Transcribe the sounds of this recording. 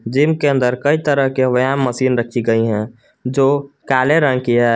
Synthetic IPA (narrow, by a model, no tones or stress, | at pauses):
d͡ʒimkeə̃nd̪əɾkəit̪əɾəɦkeʋəjammːəsiːnɾəkʰiɡəiɦɛ̃ | d͡ʒoːkaːleɾə̃ŋɡkiɦɛ